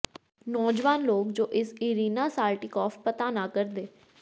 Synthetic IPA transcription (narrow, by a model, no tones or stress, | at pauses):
nɔːd͡ʒʋaːnloːkd͡ʒoːʔɪsiːɾiːnaːsaːlʈikɔːfpət̪anakəɾd̪eː